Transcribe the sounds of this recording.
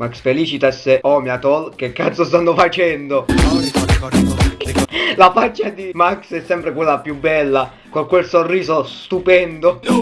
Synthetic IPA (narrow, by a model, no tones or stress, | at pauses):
maksfeliːt͡ʃit̪aseɔːmjat̪ɔlkekːat̪sost̪anːofat͡ʃɛnd̪o | lafat͡ʃːad̪imaksɛsːɛmpɾekwelːapjubːɛlːa | koŋkwelsorːiːzost̪upɛnd̪o